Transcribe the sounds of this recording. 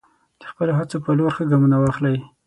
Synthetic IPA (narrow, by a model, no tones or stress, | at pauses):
d̪̥əxpəloɦat͡sopəloɾxəɡamunawɑxlaj